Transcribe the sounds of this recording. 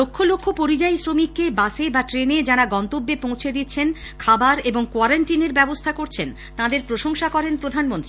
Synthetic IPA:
lokʰːolokʰːopoɾid͡ʑajsɾomikːebasebaʈɾened͡ʑaɽaɡɔnt̪obːepõw̃t͡ɕʰed̪itːɕʰen | kʰabaɾeboŋkwaɾaɳʈineɾbɛbost̪ʰakoɾt͡ɕʰen | t̪ãd̪eɾpɾoʃoŋʃakɔɾenpɾod̪ʱanmont̪ɾii

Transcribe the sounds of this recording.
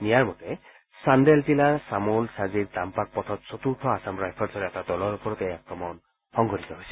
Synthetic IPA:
nijaɾmɔt̪e | sand̪eltilasamulsaziɾd̪ampak̚pɔt̪ʰɔt̪sot̪uɾʈʰɔasamɾajpʰɔɾsɔɾeɛt̪ad̪ɔlɔɾupɔɾɔt̪ejakɾɔmɔn | hɔŋɡʱɔɾit̪ɔɦojsi̥

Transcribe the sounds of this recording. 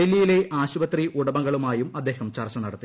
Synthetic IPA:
elːijile̞ʔaːɕubɐt̪riʔuɽɐbɐŋɡɐɭumaːjumɐd̪ːe̞ːhɐmt͡ɕɐrt͡ɕɐnɐɽɐt̪ːi

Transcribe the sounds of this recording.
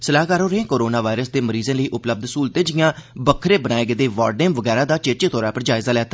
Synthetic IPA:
səlaːɦkaːɾõːɾəẽːkoːɾoːnaːʋaːɪɾəsd̪eːməɾiːzẽːləiːʔʊpləb̚d̪suːlt̪ẽːd͡ʒɪjãːbəkʰɾeːbənaːeɡəd̪eːʋaːɖnẽːmʋəɡɛːɾaːd̪aːt͡ʃeːt͡ʃeːt̪ʰɔːɾaːpəɾd͡ʒaːɪzaːlɛːt̪aː

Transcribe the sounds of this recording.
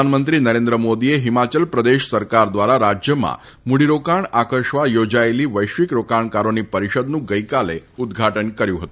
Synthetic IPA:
anmənt̪ɾinəɾend̪ɾəmod̪ieɦimat͡ʃəlpɾəd̪eʃsəɾkaɾd̪ʋaɾaɾad͡ʒjəmã̰ | muɽiɾokaɳakəɾʃʋajod͡ʒaeliʋəjʃʋikɾokaɳkaɾonipəɾiʃəd̪nũɡəjkalḛud̪ɡʱaʈənkəɾjũɦət̪

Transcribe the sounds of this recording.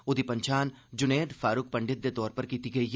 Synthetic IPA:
ʊd̪ʱipɐ̃ɲt͡ʃʰaːn | d͡ʒʊneːɖfaːɾʊk̚pɐ̃ɳɖɪt̪̚d̪et̪ɔːɾpɐɾkiːt̪iɡɐi

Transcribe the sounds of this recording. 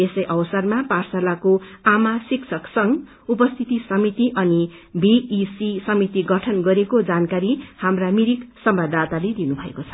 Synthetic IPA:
esʌjʔʌwʌsʌrmaparsalakoamasiksʰʌksʌŋ | upʌst̪ʰit̪isʌmit̪iʔʌni | bʱiisisʌmit̪iɡʌʈʰʌnɡʌɾekod͡zankaɾihamramiɾiksʌmbad̪at̪aled̪inubʱʌḛkot͡sʰʌ̥

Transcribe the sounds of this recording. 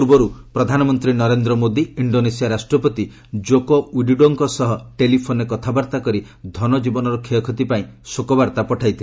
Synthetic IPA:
uɾbɔɾupɾɔd̪ʱanɔmɔnt̪ɾinɔɾend̪ɾɔmod̪iiɳɖonesiaɾasʈɾɔpɔt̪i | d͡ʒokowiɖiɖoŋkɔsɔɦɔʈelipʰonekɔt̪ʰabaɾt̪akɔɾi | d̪ʱɔnɔd͡ʒibɔnɔɾɔkʰeɔkʰɔt̪ipaĩsokɔbaɾt̪apɔʈʰajt̪ʰil

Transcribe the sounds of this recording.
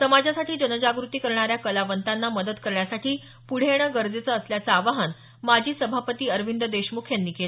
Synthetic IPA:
səmad͡ʑasaʈiːd͡ʑənəd͡ʑaɡɾut̪iːkəɾɳ̃aɾjakəlaʋənt̪anːaməd̪ət̪kəɾɳjasaʈiː | puɽ̤eɽ̃əɡəɾd͡zet͡səːsljat͡səaʋaɦən | mad͡ʑʱiːsəbʱapət̪iːəɾʋind̪əd̪eɕmukʰjanːiːkel

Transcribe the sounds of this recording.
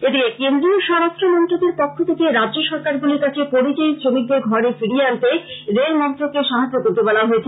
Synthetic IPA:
ed̪ikekend̪ɾioʃɔɾaʃtɾomɔnt̪ɾod̪eɾpokʰːot̪ʰekeɾadʑoʃɔɾkaɾɡuliɾkat͡ɕʰepoɾit͡ɕaet͡ɕʰomik̪̚d̪eɾɡʱɔɾefiɽiant̪eɾelmɔnt̪ɾokeʃaɦad͡ʑːok̪oɾt̪ebɔlaɦoet͡ɕʰe

